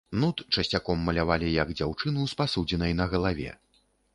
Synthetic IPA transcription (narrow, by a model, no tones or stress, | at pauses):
nut̪t͡ʂɐsʲt͡sʲakɔmːɐlʲavalʲijɐɡd͡zʲawt͡ʂɨnuspasud͡zʲɛnɐjnɐɣɐlˠavʲɛ̰